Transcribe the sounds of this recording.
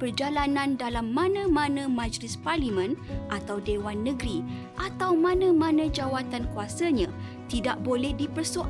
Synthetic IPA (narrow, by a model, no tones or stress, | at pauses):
pərd͡ʒalanãndalamːãnãmãnãmãd͡ʒlɪsparlimə̃nʔat̪awdewanːə̃ɡɾi | ʔat̪awmãnãmãnãd͡ʒawat̪ankuasaɲã | t̪idaʔ̚bolɛhdipərsuʔ